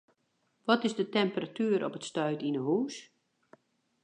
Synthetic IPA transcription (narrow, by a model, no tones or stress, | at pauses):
ʋɔtɪzdətɛmpəratyəɾɔpətstœɥtinəɦuːs